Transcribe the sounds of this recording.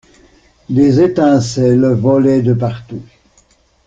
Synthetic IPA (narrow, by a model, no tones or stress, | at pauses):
d̪ezet̪ɛ̃sɛlvɔlɛd̪əp̬aʁt̪u